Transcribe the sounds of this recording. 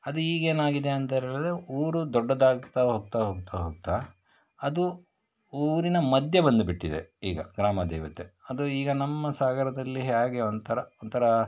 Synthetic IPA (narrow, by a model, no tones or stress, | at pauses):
ɐd̪uiːɡe̞ːnaːɡid̪e̞ɐnt̪eːɾɐlad̪euːɾud̪ɔɖːɐd̪aːɡt̪aːɦoːɡ̚t̪aːɦoːɡ̚t̪aːɦoːɡ̚t̪aː | ɐd̪u | uːɾinɐmɐd̪jɐbɐnd̪ubiʈːid̪ḛiːɡɐ̰ɡɾaːmɐd̪ɛ̰ːʋɐt̪eɐd̪uiːɡɐnɐmːɐsaːɡɐɾɐd̪ɐlːiɦjaːɡeond̪t̪ʰɐɾɐont̪ʰɐɾɐ